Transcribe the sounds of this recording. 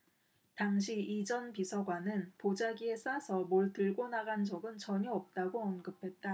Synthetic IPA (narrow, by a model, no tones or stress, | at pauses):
taŋɕ̬ʰiid͡ʑʌnpisʰʌɡwanɯnpod͡ʑaɡie̞s͈asʰʌmoɭtɯɭɡonaɡand͡ʑʌɡɯnt͡ɕʌɲiʌp̚t͈aɡoʌnɡɯpʰe̞t̚t͈a